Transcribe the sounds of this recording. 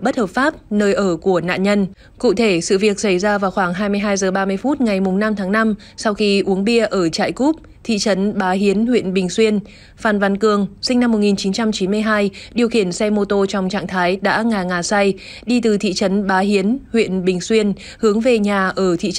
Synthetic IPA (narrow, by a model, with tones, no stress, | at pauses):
ɓə˦˥t̚həː˨˩p̚faː˦˥p̚nəː˧jʔəː˧˩ku˧˩əna̰ː˧˨ɲə˧n | kṵ˧˨t̪ʰe˧˩sɨ̰˧˨vi˨˩ək̚sa˧˩jzaː˧vaː˨˩wxwaː˧˩ŋɦaː˧jmɨ˧əjɦaː˧jzəː˨˩ɓaː˧mɨ˧əjfu˦˥t̚ŋa˨˩jmʊ˨˩ŋ͡mna˧mt̪ʰaː˨˦ŋna˧m | sa˧wxi˧ʔu˨˦əŋɓi˧əʔəː˧˩t͡ɕa̰ː˧˨jku˦˥p̚ | t̪ʰḭ˧˨t͡ɕə˨˦nɓaː˨˦ɦi˨˦ənhwḭ˧˨ənɓï˨˩ŋ̟swi˧ən | faː˨˩nva˧˩nkɨ˨˩əŋsï˧ŋ̟na˧mː˨˩t̚ŋi˨˩nt͡ɕi˨˦nt͡ɕa˧mt͡ɕi˨˦nmɨ˧əjɦaː˧jɗi˨˩əwxi˧˩ənsɛ˧mo˧t̪o˧t͡ɕɔ˧wŋ͡mt͡ɕa̰ː˧˨ŋt̪ʰaː˨˦jɗa̰ː˧˥ŋaː˨˩ŋaː˨˩sa˧j | ɗi˧t̪ɨ˨˩t̪ʰḭ˧˨t͡ɕə˨˦nɓaː˨˦ɦi˨˦ənhwḭ˧˨ənɓï˨˩ŋ̟swi˧ən | hɨ˨˦əŋve˨˩ɲaː˨˩ʔəː˧˩t̪ʰḭ˧˨